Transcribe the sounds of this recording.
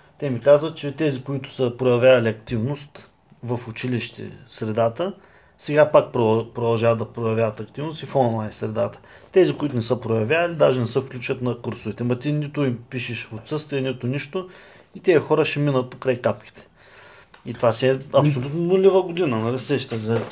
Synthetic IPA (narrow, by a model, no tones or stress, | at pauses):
t̪ɛmikazvət̪̚t͡ʃɛt̪ɛzikoit̪ʊ̥səpɾojɐvʲjavɐlʲiɐkt̪ivnost̪ | vəfʊt͡ʃiliʃt̪ɛ̰sɾɛd̪at̪ə | sɛɡapak̚pɾopɾod̪ɐlˠʒavət̪ːɐpɾojɐvʲjavət̪ɐkt̪ivnʊst̪ifɔnlˠajnsɾɛd̪at̪ə̥t̪ɛzikoit̪ʊnɛsəpɾojɐvʲjavɐlid̪aʒɛnɛsəfklʲut͡ʃət̪nɐkuɾsʊvit̪ɛmɐt̪init̪ʊimpiʃɛʃot̪sɤst̪vijənit̪ʊniʃt̪ʊ | it̪ɛɐxɔɾəʃɛminət̪̚pokɾajkap̚kʲi̥t̪ɛ̥ | it̪vasiɛɐpssolʲut̪nonulʲivəɡod̪inənɐlisɛʃt̪əzɐ